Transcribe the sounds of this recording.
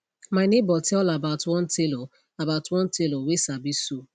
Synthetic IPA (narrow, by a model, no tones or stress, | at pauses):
maɪnebɔtʰɛllabaʊtwɔ̃ntʰelo | abaʊtwɔ̃ntʰelowesabiso